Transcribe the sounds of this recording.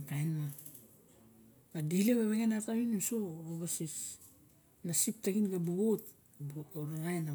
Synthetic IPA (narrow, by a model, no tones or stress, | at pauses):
kajnma | badihleβeβeɡenataβinusooβasis | nasip̚taɡinɡabuɡot | boɾaɡajna